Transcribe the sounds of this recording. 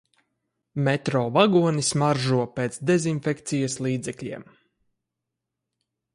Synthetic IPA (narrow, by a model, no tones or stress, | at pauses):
mɛt̪ɾɔːvaɡuɔnismaɾʒuɔpeːt̪sd̪ezinfekt̪sijaslˠiːd̪zɛklʲḭɛm